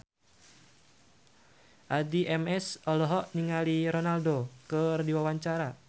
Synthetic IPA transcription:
ʔadiʔɛmɛsɔlɔɦɔʔniŋaliɾɔnaldokərdiwawaɲt͡ʃaɾa

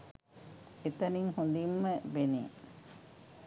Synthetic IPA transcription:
et̪ɐniŋhund̪imːəʋenḛː

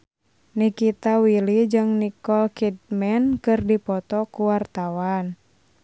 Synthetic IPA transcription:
nikit̪awilid͡ʒɨŋnikɔlkid̪̚mɛnkɨrdipɔt̪ɔkuwart̪awan

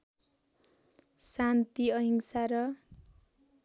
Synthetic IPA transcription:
sant̪iʌɦiŋsaɾʌ

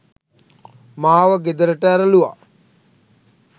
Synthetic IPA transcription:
maːʋəɡed̪əɾəʈəæɾəluʋa̰

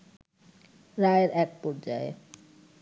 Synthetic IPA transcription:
ɾaeɾɛk̚pɔɾd͡ʑaḛ

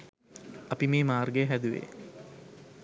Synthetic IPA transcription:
ɐpimeːmaːrɡeɦæd̪uʋḛ

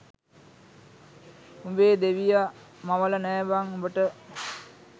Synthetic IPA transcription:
umbeːd̪eʋija | maʋələnɛːʋaŋumbəʈə

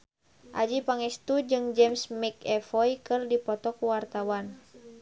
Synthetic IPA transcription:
ʔa̰d͡ʒipaŋɛst̪ud͡ʒɨŋd͡ʒɛmsmɛkɛfɔjkɨrdipɔt̪ɔkuwart̪awan

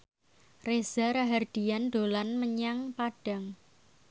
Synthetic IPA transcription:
rez̥a̤ɾaɦard̪̥i̤jand̪̥o̤lanməɲaŋpaɖ̥a̤ŋ

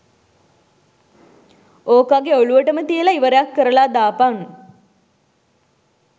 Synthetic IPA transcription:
oːkaɡeoɭuʋəʈəmət̪ijəlaiʋəɾejakːəɾəlad̪aːpaŋ

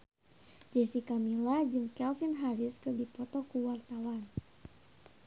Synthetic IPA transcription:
d͡ʒɛsikamilahd͡ʒɨŋkɛlfinɦaɾiskɨrdipɔt̪ɔkuwart̪awan

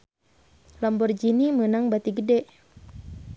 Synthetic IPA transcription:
lɔmbɔrd͡ʒinimənaŋbat̪iɡədɛʔ

